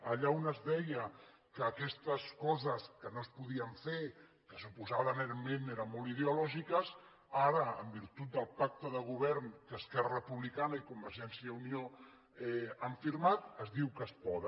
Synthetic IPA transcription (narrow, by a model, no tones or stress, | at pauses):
əʎaunəzðɛjə | kəːkɛst̪əskɔzəskənospuðiəɱfe | kəsupuzaβəneɾmeneɾənmolið̞eulɔʒikəs | aɾəəmbiɾt̪ut̪̚d̪əlˠpak̚t̪əðəɣ̞uβ̞ɛɾnkəːskɛrərəpuβlikanəikumbəɾʒɛnsiəunio | ɛəɱfiɾmat̪əzðiwkəspɔðə